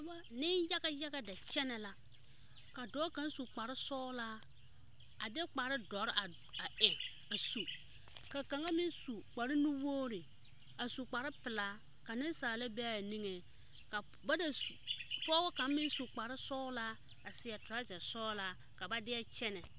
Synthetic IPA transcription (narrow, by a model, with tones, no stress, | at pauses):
a˨ba˦nɪ˦nja˦ɡa˦ja˦ɡa˦da˨t͡ʃɛ˦nɛ˨la˦ | ka˨dɔ˨˦ka˦n˦su˨k͡pa˨ɾɪ˦sɔː˦la˦ | a˨dɛ˦k͡pa˨ɾɪ˦dɔ˨˦ɾa˨ | a˨e˨ | a˨su˨ | ka˨ka˨ŋa˦mɪ˦nsu˨k͡pa˨ɾɪ˦nu˦woː˦ɾɪ˨ | a˨su˨k͡pa˨ɾɪ˦pɪ˨la˦ | ka˨nɪ˦saː˨la˦bɛ˦˨ni˦ŋe˨ | ka˨ | ba˦da˨spʊ˦ɔ˦wɔ˦ka˨˦m˦mɪ˦n˦su˨k͡pa˨ɾɪ˦sɔː˦la˦ | a˨sɪ˨a˨tʊ˨ɾa˦d͡ʒa˨sɔː˦la˦ | ka˨ba˦dɪ˦ɛ˦t͡ʃɛ˦nɛ˨